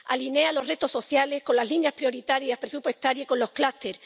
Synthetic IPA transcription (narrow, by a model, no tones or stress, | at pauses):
a̰line̞alo̞rre̞t̪o̞so̞θjale̞sko̞nlazlinjaspɾjoɾit̪aɾjapɾe̞supwest̪aɾjako̞nlo̞hklast̪e̞ɾ